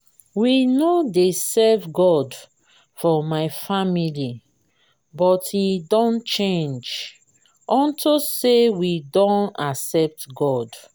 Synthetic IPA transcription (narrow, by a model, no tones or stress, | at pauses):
winodesɛvɡɔd | fɔmaɪfamili | bɔthidɔ̃nt͡ʃẽnd͡ʒ | ʔɔ̃ntosewidɔ̃nasɛp̚tɡɔd